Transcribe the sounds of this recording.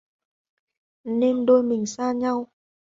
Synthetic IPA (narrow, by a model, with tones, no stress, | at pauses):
ne˧mɗo˧jmï˨˩ŋ̟saː˧ɲa˧w